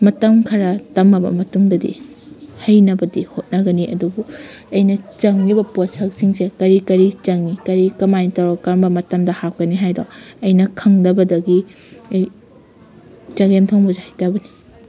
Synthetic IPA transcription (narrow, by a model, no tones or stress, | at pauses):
mɐtɐmkʰɐɾɐtɐmɐbɐ̰mɐtuŋdɐdḭ | hɐjnɐbɐdihot̚nɐɡɐniʔɐ̰dubuɐjnɐt͡ʃɐŋnibɐposɐk̚siŋsekɐɾikɐɾit͡ʃɐŋnikɐɾikɐmajntɐwɾɔkɐɾmbɐmɐtɐmdɐhak̚kɐniɦajdo̰ɐjnɐkʰɐŋdɐbɐdɐɡi | ɐj | t͡ʃɐɡemtʰɐwmozahɐjtabɐni